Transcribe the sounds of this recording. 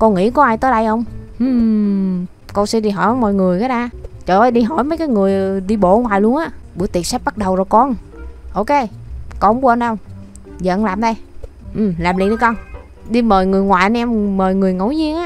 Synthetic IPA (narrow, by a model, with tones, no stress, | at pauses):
kɔ˧nŋḭ˧˥kɔ˨˦ʔaː˧jt̪əː˨˦jɗə˧jhə˧wŋ͡mʔɨ˨˩ | kɔ˧nsɛ˧˥ɗi˧ɦɔ˧˩jnɔ˨˦mɔ̰˧˨jŋɨ˨˩əjkaː˨˦ɗaː˧t͡ɕəː˨˩ə˨˦jɗi˧ɦɔ˧˩jməː˨˦jkaː˨˦jŋɨ˨˩əjɗi˧ɓo̰˧˨ŋwaː˨˩jlu˧ənʔaː˨˦˥ɓṵ˧˥˦jt̪i˨˩ət̚sɛ˦˥p̚ɓa˦˥t̚ɗə˨˩wzo˨˩jkɔ˧n | ʔo˧wke˧kɔ˧nu˧ə˧n˧wŋ͡m | zə̰ː˧˨˧ŋlaː˨˩mɗə˧j | ʔɨ˨˩mlaː˨˩mlḭ˨˧˨t̪ɨ˧kɔ˧n | ɗi˧məː˨˩jŋɨ˨˩əjŋwaː˨˩ʔə˧n˧ʔɛ˧mməː˨˩jŋɨ˨˩əjŋə˧˩wzi˧ənʔaː˦˧